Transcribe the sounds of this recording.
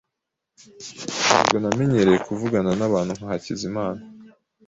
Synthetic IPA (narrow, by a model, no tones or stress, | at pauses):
a̰bɡo̞name̞ɲeɾejekuvuɡananaβaːn̥huŋhuhacizimaːna